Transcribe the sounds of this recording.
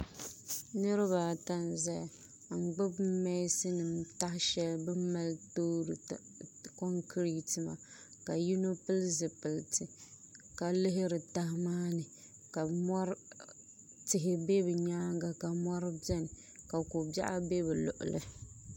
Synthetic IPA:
nɨ˦ɾɨ˦βa˨ta˦n˨za˦j | ŋ͡m̩˨ɡ͡bɨ˦bmɛ˦sɨ˦nɨ˨mta˦hɪ˦ʃɛ˦lbɨ˦m˦ma˦ltoː˦ɾɨ˨ | ko˦ŋkʰɾi˦tɨ˨ma̰˨ | ka˨ju˦no˦pɨ˦lzɨ˨pɨ˨ltɨ˨ | ka˨lɪ˦ɦɪ˦ɾɨ˨ta˦hmaː˦nɨ˨ | ka˨mɔ˦ɾ | tɪ˨ɦɪ˨be˦bɨ˨ɲaː˦ŋɡa˨ka˨mɔ˦ɾɨ˦bɛ˦nɨ˨ | ka˨ko˨bja̰˦ʔa˦be˦bɛ˨lʊ̰˨ʔʊ̰˨lɨ̰˨

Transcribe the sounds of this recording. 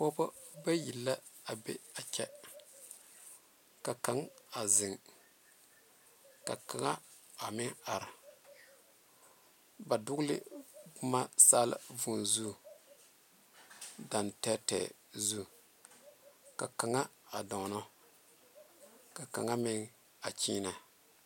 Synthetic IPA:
pɔ˦bɔ˦ba˦ji˨lːa˦a˨bḛ˦a˨t͡ʃɛ˦ | ka˨ka˨˦ŋa˨zɪ˨ŋ | ka˨ka˨ŋa˦ | a˨mɪ˦ŋa˨ɾa˨ | ba˨dʊ˦ɡlɪ̰˦bʊ˦ma˦saː˦lɪ̰˦˨vu˨nzu˦ | da˨ntɛː˦tɛ̰ː˨ | zu˦ | ka˨ka˨ŋa˦a˨dɔ˨nɔ˦ | ka˨ka̰˨ŋa˦mɪ˦ŋ | a˨t͡ʃiː˦na˨

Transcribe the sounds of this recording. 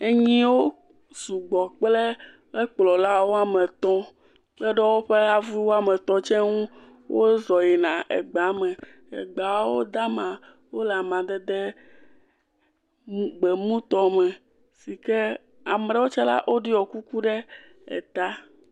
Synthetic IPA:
e˦ɲĩ˦wo˦ | su˨ɡ͡bɔ˨k͡ple˦ | ɛ˦k͡plɔ˨la˦wo˦a˦mɛ̃˨t̪ɔ̃˦ | k͡plɛ˦ɖɛ˦wo˦ɸe˦a˨vu˦wo˦a˦mɛ̃˨t̪ɔ̃˦t͡ʃɛ̃˦ŋũ˦ | wʔo˦zɔ˨jɛ˨nã˨ʔɛ̰˨ɡ͡ba˨˦mɛ̃˨ | ɛ̰˨ɡ͡ba˨˦wo˦d̪a˦mã˨ | wo˦la˨mã˨d̪ɛ˦d̪ɛ˦ | ɡ͡bɛ˨mũ˦t̪ɔ˦mɛ̃˨ | si˨kɛ˦ | a˨m˦ɖɛ˦wo˦t͡ʃɛ˦la̰˦ʔo˦ɖi˦ɔ˨ku˦ku˦ɖɛ˦ | ɛ̰˨t̪a˦

